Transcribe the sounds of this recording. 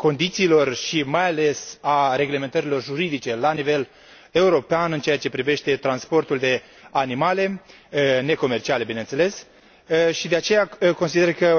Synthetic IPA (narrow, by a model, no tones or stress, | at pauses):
ko̞nd̪it̪siːlo̞rʃimajale̞saɾe̞ɡle̞me̞nt̪əɾilo̞rʒuɾid̪it͡ʃe̞lanive̞l | e̞uɾo̞peanɨnt͡ʃe̞jat͡ʃe̞pɾive̞ʃt̪e̞t̪ɾanspo̞rt̪uld̪e̞ | animale̞ | ne̞ko̞me̞rt͡ʃiale̞binent̪se̞le̞s | ʃid̪e̞at͡ʃe̞jako̞nsid̪e̞rkə